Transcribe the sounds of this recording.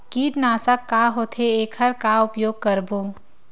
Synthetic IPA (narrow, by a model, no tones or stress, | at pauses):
kiːʈnaːsakːaɦoːt̪ʰeeːkʰəɾkaʊpjoːɡ̚kəɾbʱu